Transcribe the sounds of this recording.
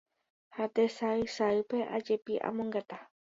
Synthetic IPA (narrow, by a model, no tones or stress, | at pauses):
hat̪esaɨsaɨpe̞ʔa̰d͡ʒepiʔa̰mõŋɡat̪a